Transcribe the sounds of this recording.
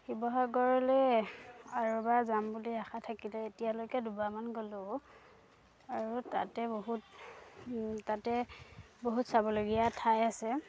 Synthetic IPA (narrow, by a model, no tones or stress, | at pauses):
xibɔɦaɡɔɹɔlɛ | aɹɔbazambuliaxatʰakilɛetijalojkɛdubamanɡolʊ | aɹuta̰tɛboɦut | tatɛ | boɦutsabɔloɡijatʰajasɛ